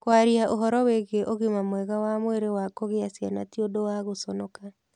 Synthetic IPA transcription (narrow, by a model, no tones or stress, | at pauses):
kwaɾiaʔoɦɔɾɔweɣeʔoɣemamwɛɣawamweɾewakoɣeasjanatiodowaɣosɔnɔka